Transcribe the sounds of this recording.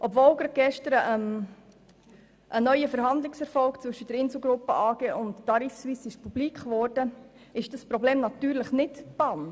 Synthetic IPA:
ʔɔbvoːlɡɾɑɡ̥ɛʃtəɾəʔəm | ʔənœʏəfəɾɦɑnd̪lɪksɛɾfɔlkt͡sʋɵʃəd̥əɾɪnsl̩ˠɡɾʊpːəʔɑːɡ̥eːʔʊntːɑɾisʋisɪʃpub̥liːkχʋɔːrd̥ə | ɪʃd̥ɑspɾɔbleːmnɑt̪yːɾləχnɪtpɑn

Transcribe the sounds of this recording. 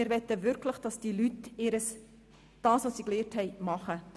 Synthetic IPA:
ɪɾʋɛt̪ːəʋʏɾkʰləχd̥ɑsd̥ilytɪːɾəs | d̥ɑːsʋosiːkleːɾthɛɪmɑχə

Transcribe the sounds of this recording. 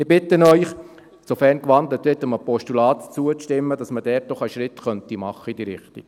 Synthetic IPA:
ɪɾbɪt̪ənœʏχ | sofɛrnkʋɑnd̪lətʋɪtəməpɔʃtulɑːt̪t͡suət͡stɪmːəd̥ɑsməd̥ɛːt̚dɔχæʃɾɪt̪χœnt̪imɑχːəid̥iːɾɪχt̪ḭk

